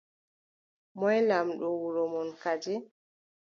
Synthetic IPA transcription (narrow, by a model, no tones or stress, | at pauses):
mɔjlamɗɔwuɾɔmɔnkad͡ʒɛ